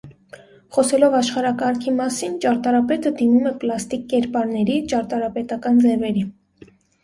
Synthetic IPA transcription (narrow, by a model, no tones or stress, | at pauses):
χɔsɛlɔvɑʃχɑɾɑkɑɾkʰimɑsint͡ʃɑɾt̪ɑɾɑpɛt̪əd̪imumɛplɑst̪ikːɛɾpɑɾnɛɾit͡ʃɑɾt̪ɑɾɑpɛt̪ɑkɑnd͡zɛvɛɾi